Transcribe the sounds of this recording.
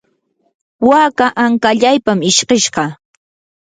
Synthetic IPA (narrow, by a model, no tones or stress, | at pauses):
waːkaʔaŋkaʎajpamɪʃɢeʃɢɑ